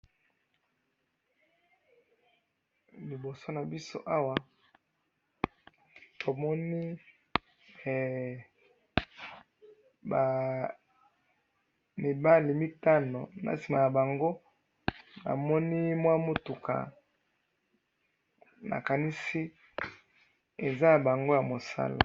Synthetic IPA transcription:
li˨bo˨so˦na˨bi˦so̰˦ʔa˦wa˨ | to˨mɔ˦ni˦˨ | ba˨ | mi˨ba˦li˨mi˦ta˦no̰˨na̰˨si˨ma˨ja˨ba˨ŋɡo˦ | na̰˨mɔ˦ni˦mwa˦mo˦tu˨ka̰˨ | na̰˨ka˨ni˦si˦ | e˨za˦ja˨ba˨ŋɡo˦ja˨mo˨sa̰˦la̰˨

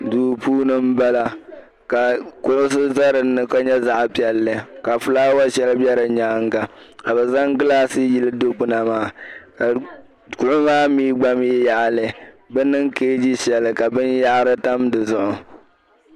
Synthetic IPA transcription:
duː˨puː˦nɨ˦m̩˦ba˦la˦ | ka˨kʊ˦ʔʊ˦s̬ɨ˦za˦ɾɨ˨nːɨ˦ka˦ɲɛ˦za˦ʔpi˨ɛ˦lːɨ˨ka˨fɨ˦laː˦wa˦ʃɛ˦lɨ˦bjɛ˦ɾɨ˨ɲaː˦ŋɡa˨ka˨bɛ˨za˦ŋɡɨ˦laː˦sɨ˦ji˦lɨ˦do˦k͡pʊ˦na˨maː˦˨ka˨ | kʊ˦ʔʊ˦maː˦miː˦ɡ͡ba˦m˦jɛ˦ja˨ʔlɨ˨ | bɛ˦nɨ˦ŋkeː˦d͡ʒi˦ʃɛ˨lɨ˨ka˨bɨ˦nja˦ʔɾɨ˦ta˦mdɨ˨zʊ˦ʔʊ˨

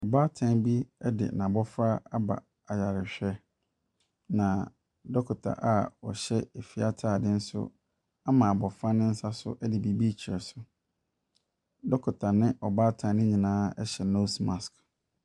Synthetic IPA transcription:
ɔ˨baː˦tʰã˨˦nbi˦ɛ˦dɪ̰˨nã˨bɔ˦fɾa˦a˦ba̰˨ | a˨ja˨ɾɪ˨ɕᶣɛ˦ | nã˨ | dɔ˦kʰʊ˨tʰa̰˨ʔa˦ɔ̰˨ɕɛ˦e˨fi˨a˨tʰaː˦˨dɪ̃˦n̩˦sʊ̰˦ | a˦mã˨bɔ˨fɾa˦nɪ̃˦n̩˦sa˦sʊ̰˦ʔɛ˦dɪ˨bi˦bi˦t͡ɕʰi˨ɾɛ˨sʊ˨ | dɔ˦kʰʊ˨tʰa˨nɪ̃˦ʔɔ˨baː˦tʰã˨˦nɪ̃˦ɲĩ˨nãː˦ɛ˦ɕɛ˨no˦smã˨sk

